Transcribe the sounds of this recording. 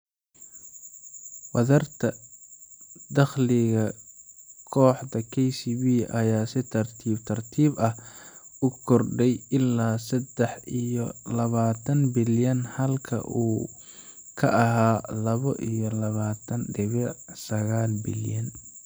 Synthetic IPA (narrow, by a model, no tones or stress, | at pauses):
wɐðɐrt̪ʰɐ | d̪ɐχlɪɣɐ | kʰɔːħd̪ɐkʰɛjsiβiːʔɐjaːsɪt̪ʰɐrt̪ʰiːbt̪ʰɐrt̪ʰiːbɐhʊkʰɔrɖɛjɪlːaːsɐd̪ɛħijɔlɐβaːt̪ʰɐnbɪljɐnhɐlkʰɐ̰ʔuː | kʰɐ̰ʔɐɦaːlɐβɔʔijɔlɐβaːt̪ʰɐnɖɪβɐsɐɣaːlbɪ̰ljɐn